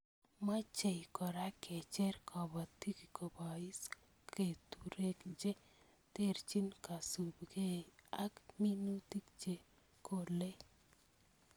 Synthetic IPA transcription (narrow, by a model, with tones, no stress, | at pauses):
ma˦t͡ʃe˨jkɔ˨ɾa˦kʰe˨t͡ʃɛ˦ɾkʰɔ˨ba˨ti˦ki˨kɔ˨ba˨i˦s | kʰe˨t̪u˨ɾe˦kd͡ʒe˦ | t̪e˦ɾt͡ʃi˦nka˨su˨bɡe˦a˦kmi˦nu˦t̪i˦kd͡ʒe˨ | ko˨le˦